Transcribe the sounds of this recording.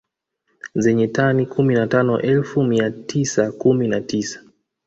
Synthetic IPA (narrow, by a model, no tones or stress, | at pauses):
zɛɲɛtanikʰuminatanɔʔɛlfumiatʰisakuminatisḁ